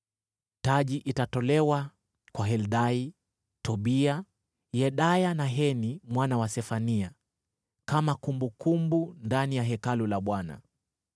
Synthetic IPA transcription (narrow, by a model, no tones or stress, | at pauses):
taʄiʔitatɔlɛwa | kwaɦɛlɗai | tɔɓia | jɛɗajanaɦɛnimwanawasɛfania | kamakumbukumbundanijaɦɛkalulaɓwana̰